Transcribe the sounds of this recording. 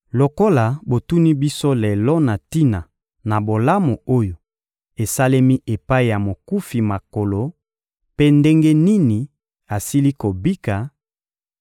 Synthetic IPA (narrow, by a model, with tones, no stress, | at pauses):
lo˨ko˦la˨bo˨tu˦ni˦bi˦so˦le˨lɔ˦na˨ti˦na˨ | na˨bo˨la˦mo˨o˦jo˨ | e˨sa˦le˦mi˦ʔe˨pa˦i˨ja˨mo˨ku˦fi˨ma˨ko˨lo˨ | pe˦nde˦ŋɡe˦ni˦ni˨ | a˨si˦li˦ko˨bi˦ka˨